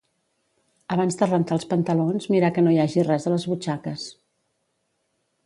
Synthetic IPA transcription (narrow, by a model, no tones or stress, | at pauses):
əβanzd̪ərənt̪aːlˠspənt̪əlonzmiɾakənojaʒirɛzələzβut͡ʃakəs